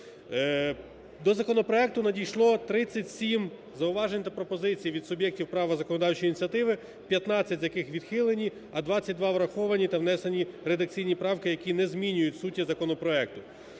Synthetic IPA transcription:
d̪ɔzɐkɔnɔpɾɔɛk̚t̪ʊnɐdʲijʃlˠɔt̪ɾɪt͡sʲːɐtʲsʲim | zɐʊʋɑʒenʲt̪ɐpɾɔpɔzɪt͡sʲijʋʲid̪sʊbʲjɛk̚tʲiwpɾɑʋɐzɐkɔnɔd̪ɑwt͡ʃɔjinʲit͡sʲɐt̪ɪʋɪ | pʲjɐt̪nɑt͡sʲːɐtʲzʲjɐkɪxʋʲid̪xɪlˠenʲi | ɐd̪ʋɑt͡sʲːɐt̚ʲd̪ʋɑʋɾɐxɔʋɐnʲit̪ɐʋnɛsenʲiɾed̪ɐkt͡sʲijnʲipɾɑwkɪjɐkʲinɛzʲmʲinʲʊjʊtʲsutʲːizɐkɔnɔpɾɔɛk̚t̪ʊ

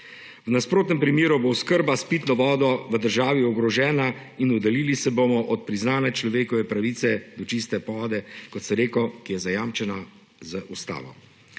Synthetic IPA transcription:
wnaspɾoːt̪nɛmpɾimeːɾuboskəɾbaspiːt̪nɔʋɔːd̪ɔʋəd̪əɾʒaːʋiɔɡɾɔʒɛːna | inud̪ɛliːlisɛbomɔʔɔt̪̚pɾiznaːnɛt͡ʃlɔʋeːkɔʋɛpɾaʋiːt̪sɛd̪ɔt͡ʃist̪ɛpɔːd̪ɛkɔt̪sɛɾeːkɔkijɛzajamt͡ʃɛna | zəʔust̪a̰ːʋɔ̰

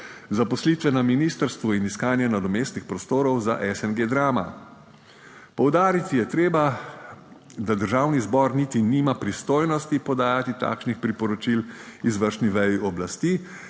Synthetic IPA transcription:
zapɔsliːt̪ʋɛnaminiːst̪əɾst̪ʋuiniskaːnjɛnad̪ɔmeːst̪nixpɾɔst̪oːɾɔwza̰ʔɛsɛnɡed̪ɾaːma̰ | pɔwd̪aːɾit̪ijɛt̪ɾeːba | d̪ad̪əɾʒaːwnizbɔɾnit̪iniːmapɾist̪oːjnɔst̪ipɔd̪aːjat̪it̪a̰kʃnixpɾipɔɾɔt͡ʃilizʋəɾʃniʋɛjiʔɔblast̪iː

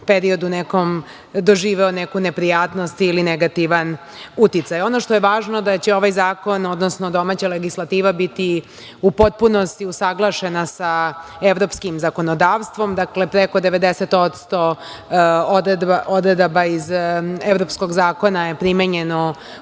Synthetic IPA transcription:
peɾio̞d̪unekom | d̪o̞ʒiːʋɛonekunepɾijaːt̪no̞st̪ilineɡat̪iʋan | ut̪it̪sajo̞noʂt̪ojeʋaːʒnod̪at͡ɕeo̞ʋajzaːko̞no̞d̪nosnod̪o̞maːt͡ɕaleɡislˠat̪iːʋabit̪i | upot̪̚puno̞st̪iusaɡlˠaʃe̞nasaeʋɾo̞pskimzako̞nod̪aːʋst̪ʋo̞md̪aklepɾekod̪eʋe̞d̪eset̪o̞t̪st̪o̞ | d̪d̪aod̪ɾed̪abaizevɾo̞pskoɡzaːko̞najepɾimeɲeno

